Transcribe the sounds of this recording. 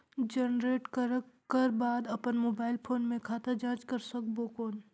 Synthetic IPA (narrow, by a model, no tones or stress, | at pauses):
d͡ʒənɾeːʈkəɾəkː | əɾbaːd̪ɐpənmoːbaːɪlpʰoːnmẽkʰaːt̪ad͡ʒãːɾd͡ʒkɐɾsɐk̚bokoːn